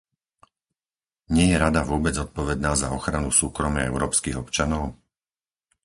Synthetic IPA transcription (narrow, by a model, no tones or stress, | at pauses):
ɲɪɛjɛɾad̪aʋʊɔbɛd͡zzɔt̪̚pɔʋɛd̪naːzaɔxɾanusuːkɾɔma̰ɛ̰ʊɾɔːpskiːɣɔpt͡ʃanɔʊ